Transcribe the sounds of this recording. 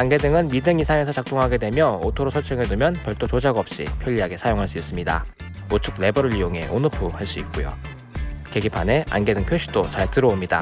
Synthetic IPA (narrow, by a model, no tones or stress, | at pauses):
anɡe̞dɯŋɯnmidɯŋisʰaŋe̞sʰʌt͡ɕak̚t͈oŋɦaɡe̞dwe̞mjʌo̰tʰoɾosʰʌɭt͡ɕ͈ʰɯŋedɯmjʌnpjʌɭt͈ʰot͡ɕod͡ʑaɡʌp̚ɕ͈ḭpʰjʌʎːiɦaɡe̞sʰajoŋɦaɭs͈uis͈ɯmɲida̰ | ot͡ɕʰuk̚ne̞bʌɾɯɾijoŋe̞̰ʔonɯpʰuhaɭs͈uik̚k͈ojo̰ | ke̞ɡipʰane̞a̰nɡe̞dɯŋpʰjoɕʰi̥d̥ot͡ɕaɭtɯɾʌomɲida̰